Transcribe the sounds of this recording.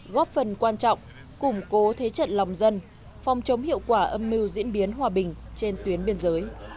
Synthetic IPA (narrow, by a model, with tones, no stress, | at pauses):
ɣɔ˦˥p̚fə˨˩nkwaː˧nt͡ɕɔ̰˧˨wŋ͡m | kʊ˧˩ŋ͡mko˨˦t̪ʰe˨˦t͡ɕə̰˧˨nla˨˩wŋ͡mzə˧n | fa˨wŋ͡mt͡ɕə˨˦wŋ͡mhḭ˧˨əwkwaː˧˩ʔə˧mːi˧wzḭ˧˥ənɓi˨˦ənɦwaː˨˩ɓï˨˩ŋ̟t͡ɕe˧nt̪wi˨˦ənɓi˧ənzəː˨˦j